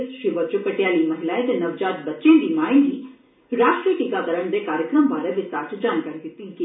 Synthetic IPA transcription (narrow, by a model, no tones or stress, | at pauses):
sʃɪʋəd͡ʒokɐʈjaːlimɐɦɪlaẽt̪enɐʋd͡ʒaːt̪bɐtːt͡ʃẽːnd̪imaːɪnɦi | ɾaːʃʈɾiəʈikad̪ɐɾəɳd̪ekaːɾjəkɾəmbaːɾəʋɪst̪aːɾʈd͡ʒaːnkaːɾiɦɪt̪ĩki